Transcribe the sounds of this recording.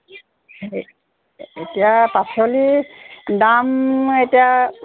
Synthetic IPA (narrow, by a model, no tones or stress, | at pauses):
he | etijapasoli | dametija